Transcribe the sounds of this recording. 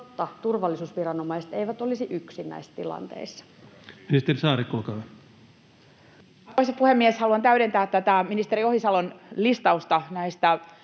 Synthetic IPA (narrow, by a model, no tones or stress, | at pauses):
t̪ːɑt̪urʋɑlːisuːsʋirɑnomɑise̥t̪eiʋæt̪olisiʔyksinːæ̰isːt̪ilɑ̰nt̪ḛisːɑ̥ | minist̪erisɑːrikːolkɑ | oisɑpuhemːieshɑluɑnt̪æyɾent̪æːt̪t̪ːæt̪æminist̪eɾiohisɑlonlist̪ɑust̪ɑnæist̪æ